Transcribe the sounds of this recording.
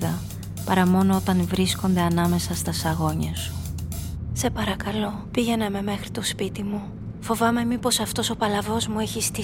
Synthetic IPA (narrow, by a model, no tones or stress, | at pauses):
ðɐ | pɐɾɐmo̞no̞o̞t̪ɐnvɾisko̞nd̪e̞ɐnɐme̞sɐst̪ɐsɐɣo̞ɲɐsu̥ | se̞pɐɾɐkɐlo̞ | piʝe̞nɐme̞me̞xɾi̥t̪o̞spit̪imu | fo̞vɐme̞mipo̞sɐft̪o̞so̞pɐlɐvo̞zmueçist̪i